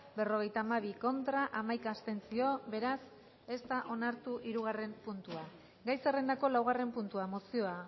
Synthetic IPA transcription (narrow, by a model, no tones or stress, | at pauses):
be̞ro̞ɣ̞e̞jt̪aːmaβ̞iko̞nt̪ɾaʔamajkaːst̪e̞nt͡sio̞βbe̞ɾas | e̞st̪aʔo̞naɾt̪uʔiɾuɣ̞are̞mpunt̪ua | ɡajsere̞nd̪ako̞lawɣ̞are̞mpunt̪uamo̞sio̞a